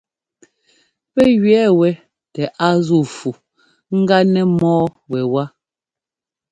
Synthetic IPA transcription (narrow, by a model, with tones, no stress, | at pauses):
pɛ˦ɣɥɛː˨˦wɛ˨ | tɛ˨ʔa˦zu˦˨fu˨ | ŋ̩˦ɡa˦nɛ˦mɔː˦ | wɛ˨wa˦